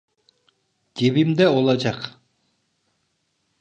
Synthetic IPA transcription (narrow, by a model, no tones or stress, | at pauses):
ɡ̥ʲebimd̪ɛolˠɑd͡ʒɑq